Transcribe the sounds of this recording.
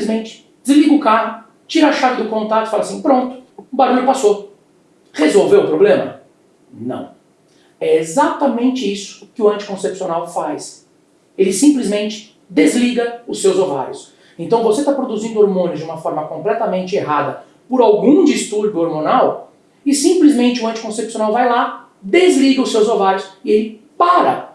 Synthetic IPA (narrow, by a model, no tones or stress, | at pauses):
izmẽnt͡ʃɪ̥ | d͡ʒɪzliɡʊkaɦʊ | t͡ʃiɾɐaʃavɪd̪ʊkõnt̪at̪ʊɪ̥falɐsĩpɾõnt̪ʊ̥baɾuʎʊpaso | ʁezowvewʊpɾoblẽmɐ̰ | nɐ̰̃w̃ | ɛezat̪ɐmẽnt͡ʃɪisʊ̥kɪʊɐ̃nt͡ʃɪ̥kõsepsionawfajs | elɪsĩplizmẽnt͡ʃɪ̥ | d̪ezliɡɐʊsːewzova̰ɾjʊs | ẽnt̪ɐ̃w̃voset̪apɾod̪uzĩnd̪ʊoɾmõnɪʊzd͡ʒɪũmɐfɔɾmɐkõmplɛt̪ɐmẽnt͡ʃɪeɦad̪ɐ | pʊɾawɡũd͡ʒist̪uɾbjʊoɾmõnaw | ɪsĩmplizmẽnt͡ʃɪʊɐ̃nt͡ʃɪ̥kõsepsionawvajla | d̪ezliɡɐʊsewzovaɾjʊsɪelɪ | paɾɐ̰